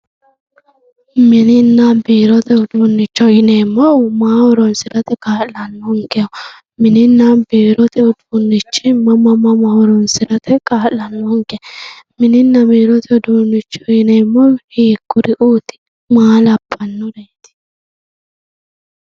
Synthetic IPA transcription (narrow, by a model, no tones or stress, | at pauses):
mɪnɪnːabiːɾɔt̪ɛd̪uːnːɪt͡ʃːɔjɪnemːɔmaːhɔɾɔnsɪɾɐt̪ɛkaːlɐnːɔŋkɛʊ | mɪnɪnːabiːɾɔt̪ɛʊd̪unːɪt͡ʃːɪmɐmɐmɐmɐhɔɾɔnsɪɾɐt̪ɛkaːlɐnːɔŋkɛ | mɪnɪnːɐbiːɾɔt̪ʰɛd̪uːnːɪt͡ʃːɔjɪnemːɔhiːkːʊɾɪʔuːt̪ɪ̥ | maːlɐpʰːɐnːɔdet̪ɪ̥